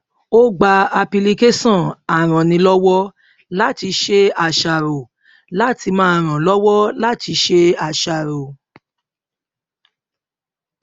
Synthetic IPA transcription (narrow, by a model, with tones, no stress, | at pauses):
o˦ɡ͡ba˧a˧pi˧li˧ke˦sɔ̃˦˨a˨ɾ̃ã˨nĩ˧˦lɔ˦wɔ˦ | la˦˨ti˧ʃe˦a˨ʃa˨ɾo˨ | la˦ti˧mãː˦a˨ɾ̃ã˨lɔ˦wɔ˦la˦ti˧˦ʃe˦a˨ʃa˨ɾo˨